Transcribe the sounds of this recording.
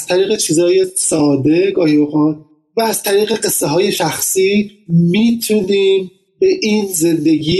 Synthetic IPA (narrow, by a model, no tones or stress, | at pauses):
æz̥t̪ʰæɾiːɣet͡ʃʰiːzɒːjesɒːd̪e̞ɡɒːhiboxɑːn | væːz̥t̪ʰæɾiːɣe̞ɢe̞sːeɦɒːje̞ʃæxsiːmiːt̪ʰuniːm | be̞ʔiːnze̞nd̪e̞ɡiː